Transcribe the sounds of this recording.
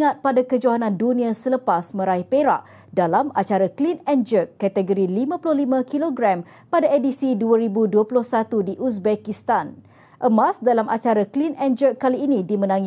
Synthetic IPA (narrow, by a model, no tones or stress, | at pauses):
ŋat̪̚padakəd͡ʒaɦanãndunĩasələpasmə̃ɾaihpeɾa̰ʔ | dalama̰t͡ʃaɾaklinɛnd͡ʒəkːɛt̪əɡəɾilimãpulʊhlimãkiloɡɾɛm | padaedisiduəɾibuduəpulʊhsat̪udiʔus̬bɛkist̪an | ʔəmasdalamʔat͡ʃaɾaklinɛnd͡ʒəkːaliːnĩdimə̃nãŋi